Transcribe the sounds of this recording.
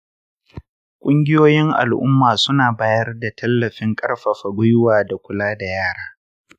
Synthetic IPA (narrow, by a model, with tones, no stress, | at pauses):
kʷʼʊ˦ŋɡʲɪ˦joː˦jɪ˦ŋʔa̰˨lʔʊ̰˦mːaː˨sʊ˦naː˨baː˦jɐ˦rda˨tʰɐ˦lːɐ˨ɸɪ˦ŋkʼɐ˦rɸa˨ɸa˨ɡʷʊ˦jwaː˨da˨kʷʊ˦laː˦da˨jaː˦˨ɽaː˦